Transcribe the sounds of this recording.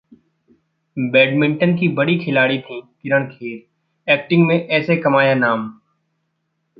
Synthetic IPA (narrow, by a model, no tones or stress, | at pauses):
bɛːɖmɪ̃ɳʈənk̬ibɐɽikʰɪlaːɽit̪ʰĩːkɪɾəɽ̃kʰeːɾ | ɛːk̚ʈɪ̃ŋɡmẽʔɛːsekɐmaːjanaːm